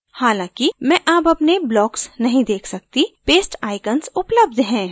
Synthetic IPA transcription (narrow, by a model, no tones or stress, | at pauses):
haːlãːkimɛ̃ʔaːpɐpneblɔːksnɐɦĩd̪eːkʰsɐk̚t̪ipeːsʈaːɪkənsʊpləb̚d̪ʱɦɛ̃ː